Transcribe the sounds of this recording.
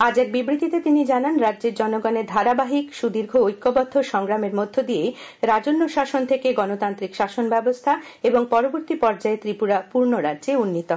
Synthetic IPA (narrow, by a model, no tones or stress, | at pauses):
ad͡ʑɛk̚bibɾit̪it̪et̪inid͡ʑananɾadːd͡ʑeɾd͡ʑɔnoɡɔneɾd̪ʱaɾabaɦikʃud̪iɾɡʱoojkːobɔd̪ʱːoʃɔŋɡɾameɾmod̪ʱːod̪ijeɾad͡ʑonːoʃaʃont̪ʰekeɡɔnot̪ant̪ɾikʃaʃonbɛbost̪ʰaeboŋpɔɾoboɾt̪ipɔɾd͡ʑaet̪ɾipuɾapuɾnoɾadd͡ʑeunːit̪o